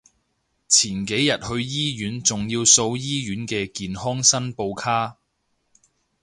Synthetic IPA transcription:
t͡sʰiː˨˩nke˨˥jːɐ˨t̚hɵ˧ɥjiː˥jyː˨˥nt͡sʊ˨˩ŋjiː˧wso˧wjiː˥jyː˨˥nkɛː˧kiː˨nhɔː˥ŋsɐ˥npo˧wkʰaː˥

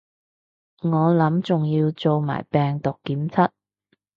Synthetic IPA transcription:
ŋɔː˨˧lɐ˨˥mt͡sʊ˨ŋjiː˧wt͡so˨˧wma̰ː˨˩jpɛː˨ŋt̪ʊ˨kːiː˨˥mt͡sʰɐ˥t̚

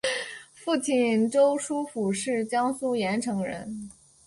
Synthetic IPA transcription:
fu˥˧t͡ɕʰi˥˩nʈ͡ʂo˥ʊʂu˥fu˨˩ʂɻ̩˥˩t͡ɕjɑ˥ŋsu˥jɛ˧˥nʈ͡ʂʰɤ˧˥ŋɻə̰˧˥n

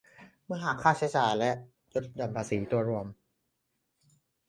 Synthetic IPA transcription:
mɯ˥˩ɐɦaː˨˩kʰːaː˥˩sʰɛː˧˦saː˨˩lɛ˦˥ʔ | jo˦˥t̪̚jɔ˨˩npʰaː˧siː˩˦t̪u˧ɐɾu˧əm

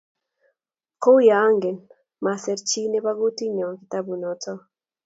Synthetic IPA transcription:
ko˦wja˨˦ŋɡe˨n | ma˨sɛ˨ɾt͡ʃi˦ne˦ba˦ɣu˦ti˦ɲɔ˨ki˨ta˦bu˨nɔ˨tɔ˦

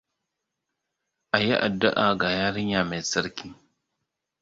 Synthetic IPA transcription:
ʔa˨ji˦ʔa˨dːʊ˦ʔa˨ɡa˨jaː˦ɾɪ˦ɲja˨me˨sɐ˦ɾki˦

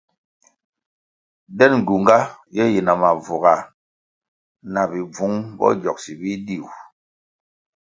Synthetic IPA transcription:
dɛ˦˨n˨ɡu˨ŋɡa˦jɛ˦ji˨na˨ma˨vu˨ɣa˨ | na˨bi˨b͡vu˨˦ŋbɔ̰˦d͡ʒɔ˨k̚si˨bi˦di˦˨w

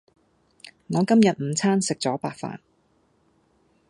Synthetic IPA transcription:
ŋɔː˨˧kɐ˥mjɐ˨t̚m̩˨˧t͡sʰaː˥nsɪ˨k̚t͡sɔː˨˥paː˨˧k̚fa̰ː˨n

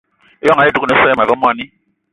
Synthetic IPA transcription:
e˦jɔ˦ŋa˨je˦du˨ku˦ne˨˦sɔ˦jɛ˦ma˨vɛ˦mʷ˦a˨ni˦

